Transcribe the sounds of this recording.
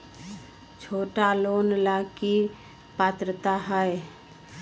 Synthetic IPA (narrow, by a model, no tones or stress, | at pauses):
t͡ʃʰoːʈaloːnlaːki | paːt̪ɾət̪aɦɛe